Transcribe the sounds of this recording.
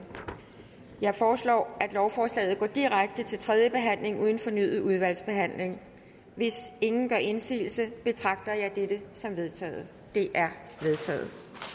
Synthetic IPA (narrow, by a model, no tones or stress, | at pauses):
jɑ̈ɪfɒːslɒ̰ːʔæd̥lɒʊfɒːslɛ̰ːðˠɡ̥ɒ̰ːd̥iʁaɡ̥̚d̥ət͡sʰe̝lt͡sʰʁɛð̞ˠjəb̥e̝ɦæn̰le̝ŋuːð̞ˠn̩fɒ̽nyð̩ˠuð̞ˠʋæl̰sb̥e̝ɦæn̰le̝ŋ | ʋe̝se̝ŋn̩ɡ̥ɶɐ̰ʔe̝nsḭːl̩səb̥e̝t͡sʰʁɑ̈ɡ̥̚d̥ɐjɑ̈ɪd̥ed̥əsɒ̽mʋe̝ð̞ˠt͡sʰɛ̰ːð̩ˠ | d̥e̝ʔæɐʋe̝ð̞ˠt͡sʰɛ̰ːð̩ˠ